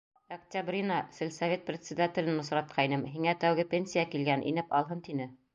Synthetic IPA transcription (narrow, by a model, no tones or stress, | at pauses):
ɐktʲabrʲinɑsɘ̆lʲsɐvʲet̪̚prʲɪt̪ʲsʲɪd̪atʲɪ̆lʲɘnnŏsɾɑt̪̚qʰɑinɤmɦiŋæt̪æwɣɘpʲenʲsʲijakilɡænʔḭnɘpɑlˠɦɤnt̪inɘ